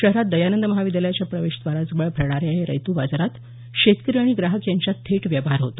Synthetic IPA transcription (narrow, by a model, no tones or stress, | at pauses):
ɕəɦɾat̪̚d̪əjanənd̪əməɦaʋid̪əljat͡ɕjapɾəʋeɕd̪ʋaɾad͡zbəɭbʱəɾɳ̃aɾeɦeɾə̰jt̪ubad͡zɾat̪ | ɕet̪kɾiaɽ̃iɡɾaɦəkjaɲt͡ɕjat̪ʰeʈʋjaʋɦaɾɦot̪o̥